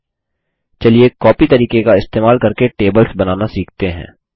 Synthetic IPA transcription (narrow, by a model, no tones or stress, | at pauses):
t͡ʃɐlijekɔːpit̪ɐɾiːkekaɪst̪eːmaːlkɐɾkeʈeːbəlsbɐnaːnasiːk̚ʰt̪eɦɛ̰̃ː